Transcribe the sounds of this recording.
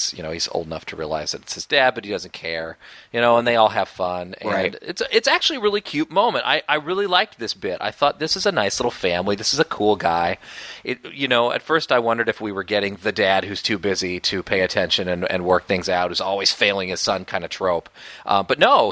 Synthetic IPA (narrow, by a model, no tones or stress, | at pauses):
sjɨ̰ñoʊiz̥o̰ʊlˠdənʌ̰ftʰɨɹiəlˠa̰ɪzðɨɾɨtshɨzdæd̚bʌt̚hidʌzɨ̃n̩kʰɛɹjɨñoʊə̃nðeɪɔlˠɨv̥fʌ̃nɨ̃ɪ̰tsɨtsæk̚t͡ʃʉl̩ˠiəɹɪlˠikʰj̥ʉt̚mõʊ̃mɨ̃nta̰ɪʔaɪɹɪlˠilaɪk̚ðɪsb̥ɪɾa̰ɪθɔt̪̚ðɪsɨzənaɪslɪɾl̩ˠfæ̃mliðɪsɨzɨkʰulˠɡaɪɨjɨnoʊʔɨ̰tfɜ˞staɪwʌ̃ndə˞ɾɨfwiwə˞ɡɛɾɪ̃ŋðɨdæd̚hʉz̥tʰʉbɪziɾɨpʰeɪɨtʰɛ̃nʃɨ̃nɨ̃nɨ̰̃nwɜ˞k̚θɪ̃ŋzaʊt̚hʉzɔlˠwiz̥feɪlˠɪ̃ŋɨz̥sʌ̃nkʰãɪ̃ndɨtʰɹ̥oʊpʔʌ̰̃mb̥ʌtⁿnoʊ